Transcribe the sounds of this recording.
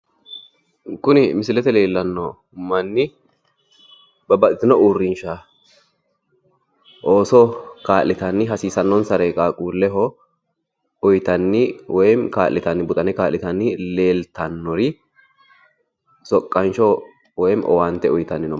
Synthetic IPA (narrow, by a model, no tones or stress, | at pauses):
kʊnɪmɪsɪlɛt̪ɛle̞ːlːɐnːɔ | mɐnːɪ | bɐbɐt̪ʼɪt̪ɪnɔuːrːɪnʃa | ʔo̞ːsɔkaːlːɪt̪ɐnːɪɦɐsiːsɐnːɔnsɐɾɛːkʼaːkʼuːlːɛɦɔ | ʊjt̪ɐnːɪwɔjmkaːlːɪt̪ɐnːɪbʊt̪ʼɐnɛkaːlːɪt̪ɐnːɪle̞ːlt̪ɐnːɔɾɪ | sɔkʼːɐnt͡ʃɔ | wɔjmʔɔ̰waːnt̪ːɛʊjt̪ɐnːɪnɔ